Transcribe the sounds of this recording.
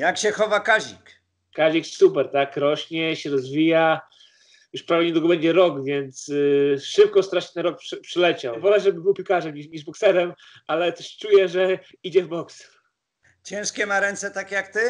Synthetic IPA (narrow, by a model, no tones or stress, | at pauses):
jakɕɛxɔvakaʑik | kaʑiksupɛɾt̪akɾɔɕɲɛɕɛɾɔzvʲija | juʂpɾavʲɛɲɛd̪wuɡɔbɛɲd͡ʑɛɾɔkvʲjɛnt̪sʂɘp̚kɔst̪ɾaʂɛ̥t̪ɛnɾɔk̚pʂɛpʂɛlɛt͡ɕavɔlɛʐɛbɘbɘwpʲikaʐɛmiɲiʐbɔksɛɾɛm | alɛt̪ɛʂt͡ʂujɛʐɛ | id͡ʑɛvbɔks | t͡ɕɛ̃w̃ʂkʲɛmaɾɛnt̪sɛt̪akʲejakt̪ɘ